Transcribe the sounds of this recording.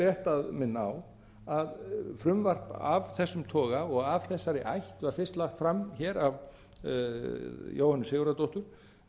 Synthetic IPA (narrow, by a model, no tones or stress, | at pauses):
ɛht̪aðmɪnːaaw | aðfɾʏmvar̥pa̰avθɛsːʏmt̪ʰɔːɣaɔɣavθɛsːaɾɪʔa̰jht̪vaɾ̥fɪrst̪laxt̪fɾamçɛːɾav | jʔo̰ːwhanːʏsɪːɣʏɾat̪owht̪ʏɾ̥